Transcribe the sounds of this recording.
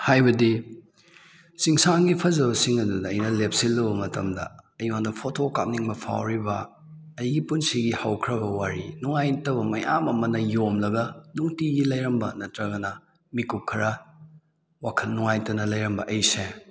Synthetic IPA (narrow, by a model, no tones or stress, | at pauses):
hajbɐdi | siŋsaŋɡipʰɐzɐβɐsiŋɐdudɐːjnɐlep̚silːɐβɐmɐtɐ̰mdɐ̰ɐjwaŋdɐpʰotʰokap̚niŋbɐpʰa̰wɾibɐː | jɡipunsiɡihɐwkʰɾɐbɐwaɾinuŋajtɐbɐmɐjamɐmɐnɐjomlɐɡɐnuŋtiɡilɐjɾɐmbɐnɐtɾɐɡɐnɐ | mikup̚kʰːɐɾɐ | wakʰɐlːuŋajtɐnɐlɐjɾɐmbɐʔɐjse